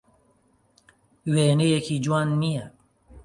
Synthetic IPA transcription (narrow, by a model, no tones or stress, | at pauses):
weːnejekʰiːd͡ʒwaːnːijɛ